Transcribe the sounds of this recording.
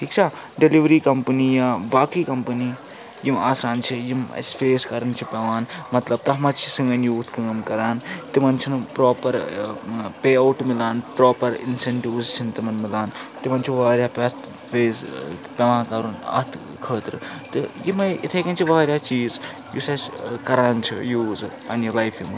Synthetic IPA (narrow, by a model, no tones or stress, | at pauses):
ʈʰiːkt͡ʃʰaː | ɖiliʋɾiːkɐmpəniːjaːbaːkiːkɐmpəniː | jimaːsaːnt͡ʃʰijimɐ̰sfeːskɐɾɐnt͡ʃʰipʲɐʋaːnmɐt̪lɐb̚t̪ɐɦmɐt͡ʃʰi̥siŋɡɐnjuːt̪ʰkəːmkɐɾaːnt̪imɐnt͡ʃʰinpɾoːpɐɾ | peːɐwʈmɪlaːnpɾoːpɐɾḭnseɳʈiʋzt͡ʃʰint̪imɐnmilaːnt̪imɐnt͡ʃʰiʋaːɾʲjaːpʲɐt̪ | feːzpʲɐʋãːkɐɾunɐ̰t̪ʰ | kʰəːt̪ɾɨt̪ɨjimɐjḭt̪ʰɐkɐnt͡ʃʰiʋaːɾjaːt͡ʃiːz | jusɐskɐɾaːnt͡ʃʰḭjuːzɨ | ɐnjilɐjfʰjḭmɨ